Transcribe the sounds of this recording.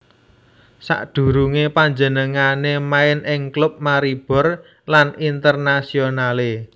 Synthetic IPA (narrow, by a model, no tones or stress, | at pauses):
sa̰ʔd̪̥ṳɾuŋepaɲd͡ʒənəŋanemaɪnɪŋklʊp̚maɾib̥ɔ̤r | lanint̪ərnasionale